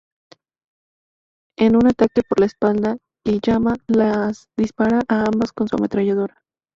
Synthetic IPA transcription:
e̞nunat̪ake̞po̞ɾlaespald̪a | kiʝamalas | d̪ispaɾaʔaambasko̞nsua̰me̞t̪ɾaʝað̞o̞ɾa

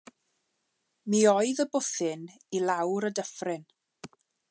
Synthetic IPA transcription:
miɔɨðəbʊθɪn | ilawɾədəfrɪn

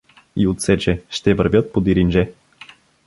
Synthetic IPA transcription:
iot̪sɛt͡ʃɛʃt̪ɛvəɾvʲjɤt̪̚pod̪iɾind͡ʒɛ

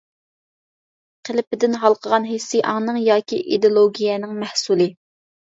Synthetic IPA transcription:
qʰəlɪpɪd̪ɪnɦɑlˠqʰəʁɑnɦesːijʔɑ̰ŋnɨŋjɑːkʲʰḭʔid̪olˠoɡʲijɛnɪŋmæhsulˠɨ

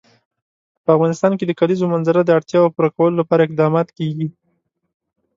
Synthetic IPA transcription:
pəafɣɑnɪst̪ɑnked̪əkalizomanzaɾad̪əaɽt̪jɑapuɾakawəlolapɑɾaɪq̚d̪ɑmɑt̪keɡi

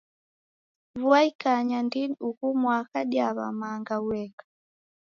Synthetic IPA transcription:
vuaikaɲandiniukumwakaɗjaβa̰maŋɡawwɛkḁ

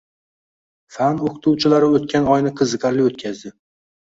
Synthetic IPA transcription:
fanoqʰɨ̥t̪ʰuwt͡ʃʰɪlaɾɪot̪̚kʲanɒjnɪqʰɨzɨqʰɑɾlɪot̪kʲʰazd̪ɪ

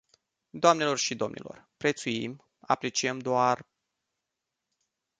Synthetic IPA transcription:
d̪oamne̞lo̞rʃid̪o̞mnʔḭlo̞̰rpɾe̞t̪sujim | a̰pɾe̞t͡ʃiəmd̪oar

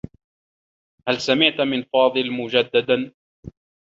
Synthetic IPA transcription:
halsamɪʕt̪mɪnfɑːd̪ˤɨlmʊd͡ʒad̪ːad̪a

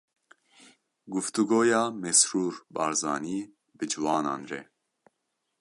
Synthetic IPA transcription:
ɡuft̪uɡoːjɑːmɛsɾuːɾbɑːɾzɑːniː | bɨd͡ʒuwɑːnɑ̰ːnrɛ̰

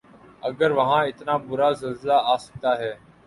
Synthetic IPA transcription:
əɡəɾʋəɦãːɪt̪naːbʊɾaːzɪlzɪlaːaːsə̥ɡ̚d̪aːɦɛː

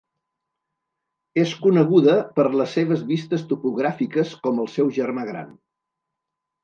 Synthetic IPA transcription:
eskunəɣuðəpəɾləsːeβ̞əzβist̪əst̪upuɣɾafikəskɔməlˠsɛwʒərmaɣ̞ɾa̰n

